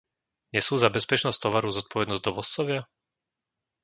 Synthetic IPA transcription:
ɲɛsuːzabɛspɛt͡ʃnɔst̪ɔʋaɾuzɔt̪̚pɔʋɛd̪nɔzɟd̪ɔʋɔst͡sɔʋɪa

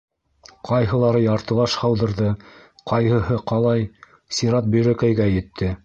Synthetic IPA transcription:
qʰɑjɦɤ̆lˠɑɾɤjɑɾt̪ɤ̆lˠɑʃhɑwðɤ̆ɾðɤqɑjhɤ̆ɦɤqɑlˠɑj | siɾɑt̪̚bɵ̆jɾækæjɡæjɘ̆t̪ʰːɘ

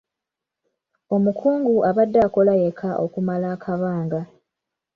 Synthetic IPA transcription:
o̞mukʰuːŋɡuʔaβadːaːko̞lajekʰaʔo̰kumalaːkʰaβaːŋɡa

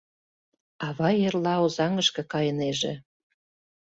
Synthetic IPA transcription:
ɑβɑjerlɑozɑŋəʃkɤ̆kɑjəneʒḛ̆

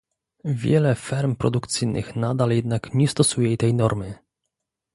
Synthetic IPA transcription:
vʲjɛ̰lɛfɛɾmpɾɔd̪ukt̪sɘjnʔɨ̰xnad̪aljɛd̪nakɲɛst̪ɔsujɛt̪ɛjnɔɾmɘ

